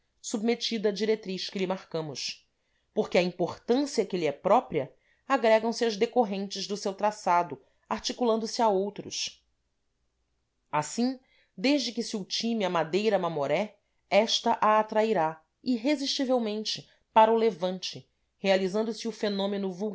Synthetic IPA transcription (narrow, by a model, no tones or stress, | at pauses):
submet͡ʃid̪ɐːd͡ʒiɾet̪ɾiʃkɪlɪmaχkɐ̃mʊʃ | poχkɪɐĩmpoχt̪ɐ̃siɐkɪliɛpɾɔpɾiɐ | aɡɾɛɡɐ̃w̃sɪɐʒd̪ekoɦẽnt͡ʃɪʒd̪ʊsewt̪ɾasad̪ʊ | aɾt͡ʃikulɐ̃nd̪ʊsɪaowt̪ɾʊ̰ʃ | asĩ | d̪eʒd͡ʒɪkɪsɪut͡ʃimiɐmad̪ejɾɐmamoɾɛ | ɛʃt̪ɐʔaːt̪ɾaiɾa | iɦeziʃt͡ʃivewmẽnt͡ʃɪ | paɾɐʊlevɐ̃nt͡ʃɪ | healizɐ̃nd̪ʊsɪʊfenõmenʊvuw